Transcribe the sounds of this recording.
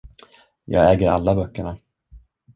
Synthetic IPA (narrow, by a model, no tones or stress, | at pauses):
jɑ̰ːɡɛːɡəɾa̰lːabœkːəɳa